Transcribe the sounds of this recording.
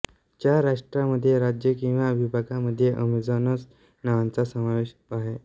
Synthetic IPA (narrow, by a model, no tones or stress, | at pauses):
t͡ɕjaɾaʂʈɾaməd̪ʱːjeɾad͡ʑjəkĩw̃ʋaəbʱibʱaɡaməd̪ʱːjeʔəmid͡zanəs | naʋant͡sasəmaʋeɕ | aɦe